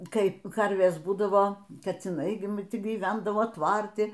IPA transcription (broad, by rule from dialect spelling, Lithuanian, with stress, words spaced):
ˈkɐɪ ˈkɐrʲʋʲeːs ˈbuːdɐʋoː kɐt͡sʲɪˈnɐɪ ɡʲɪ m tʲɪ ɡʲiːˈʋʲɛndɐʋoː ˈtʋɐrʲtʲɪ